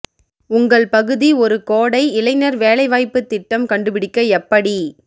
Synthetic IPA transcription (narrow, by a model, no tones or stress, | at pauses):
ʊŋɡɐɭpɐɣɯðiɔɾɯkoːɽɐɪɪlɐɪnɐɾʋeːlɐɪʋaːjpːɯt̪ːɪʈːɐmkɐɳɖɯpɪɽɪkːɐɛpːɐɽi